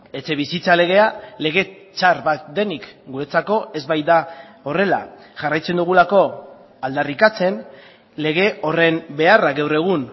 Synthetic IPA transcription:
e̞t͡se̞βisit͡sale̞ɣ̞e̞ale̞ɣ̞e̞ | t͡ʃaɾβat̪̚d̪e̞nikɡuɾe̞t͡sako̞e̞zβajd̪a | o̞re̞la̰ | ʝarajt͡se̞nd̪uɣ̞ulako̞ | ald̪arikat͡se̞n | le̞ɣ̞e̞o̞re̞mbe̞araɡawre̞ɣ̞un

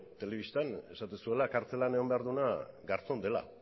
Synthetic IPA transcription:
t̪e̞le̞βist̪ane̞sat̪esue̞lakaɾt͡se̞laneombeaɾðunaɡaɾt͡so̞nd̪e̞la̰

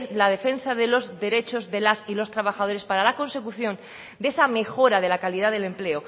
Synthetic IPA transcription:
lað̞e̞fe̞nsaðe̞lo̞zðe̞ɾe̞t͡ʃo̞zðe̞lasilo̞st̪ɾaβ̞axaðo̞ɾespaɾalakõ̞nse̞kuθjõ̞n | d̪e̞same̞xo̞ɾað̞e̞lakaliðaðe̞lemple̞o

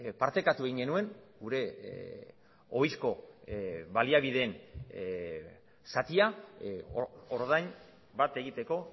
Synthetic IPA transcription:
paɾt̪e̞kat̪ueɣiŋɡe̞nue̞ŋɡuɾe̞ | o̞jsko̞ | baliaβiðe̞n | sat̪ia | oɾðajn | bat̪e̞ɣit̪e̞ko̞

